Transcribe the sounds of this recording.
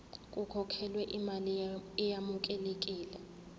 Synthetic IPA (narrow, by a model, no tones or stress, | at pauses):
kʼukʰɔkʰɛlwɛʔimalɛjamuk̬ʼɛlek̬ʼiːlɛ